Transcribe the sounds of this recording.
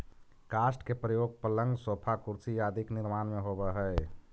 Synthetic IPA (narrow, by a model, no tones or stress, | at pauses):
kaːsʈkepɾəjoːɡ̚pələ̃ŋɡsoːpʰakʊɾsijaːd̪ʱiknɪɾmaːnmẽɦobəɦɛː